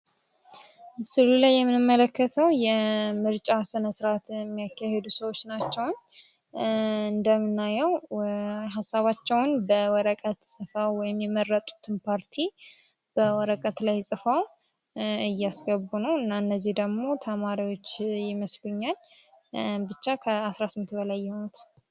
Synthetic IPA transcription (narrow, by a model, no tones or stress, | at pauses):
sɨlulajːɛmːɨnɨmːələkːət̪ʰəwjɛmɨɾt͡ʃʼasɨnəsɾat̪ɛmːijakʰːahed̪usəwo̞t͡ʃːnat͡ʃːɛwn | ɨnd̪əmːɨnːajɛw | ɦasːaβat͡ʃːɛwnbəwɔɾəkʼət̪sʼɨfawwɔjɪmjɛmərːət̪ʼu̥t̪ʰɨnpʰaɾt̪ʰi | b̥əwɔɾəkʼət̪lajsʼɨfaw | ɨjːasɡəbːunəwɨnːaɨnːəzːihd̪əɡmo̞t̪ʰəmaɾiwo̞t͡ʃːjɪməsləɲːal | bɨt͡ʃːakʰəasɾasɨmnt̪bəlajːɛhnut̪